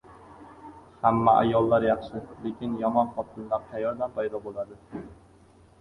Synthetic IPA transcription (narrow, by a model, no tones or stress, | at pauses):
hamːaʔa̰jɒlˠːaɾjɑχʃɪlekʲʰɪnjɒmɒnχɒt̪ʰɪnlaɾt̪ʰajɒɾd̪anpʰajd̪ɒbolˠad̪ɪ